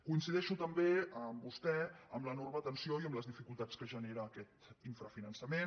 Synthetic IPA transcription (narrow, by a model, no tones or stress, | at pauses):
kuinsiðɛʃut̪əmbeəmbust̪ɛəmlənormət̪ənsioiəmləzðifikulˠt̪at͡skəʒəneɾəːkɛt̪iɱfɾəfinənsəmen